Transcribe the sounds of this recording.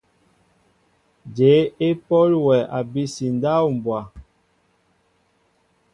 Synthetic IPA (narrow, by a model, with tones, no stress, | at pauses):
d͡ʒe˨˦e˦pɔ˦lwɛ˨a˨bi˦si˨n˨da˦wm̩˨bwa˨